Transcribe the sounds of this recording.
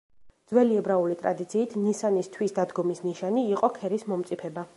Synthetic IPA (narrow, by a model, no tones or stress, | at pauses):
d̪zwɛliɛbɾaulit̪ʼɾa̰d̪it̪sʰiːt̪ʰnisanist̪ʰwisd̪ad̪ɡɔmisniʃaniːqʼɔkʰɛɾismɔmt̪sʼipʰɛba